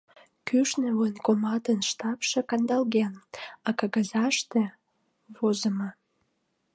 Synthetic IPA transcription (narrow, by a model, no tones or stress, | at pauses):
kyʃneuənkomɑt̪ənʃt̪ɑpʃĕkɑnd̪ɑlɣenɑkɑɣɑzɑʃt̪ĕ | βozəmɑ